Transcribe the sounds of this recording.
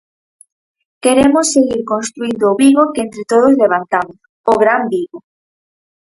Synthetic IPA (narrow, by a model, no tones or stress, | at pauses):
keɾemʊsːeɣiɾkõnst̪ɾuind̪oʊːβiɣokent̪ɾet̪oð̞ʊzleβ̞ant̪amʊs | oɣɾambiɣo